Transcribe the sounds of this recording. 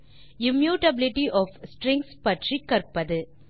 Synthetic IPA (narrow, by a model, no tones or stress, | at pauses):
ɪmjuːʈɐbɪlɪʈiʔɔːfsʈɾɛŋkspɐʈrikːɐɾpːɐðɯ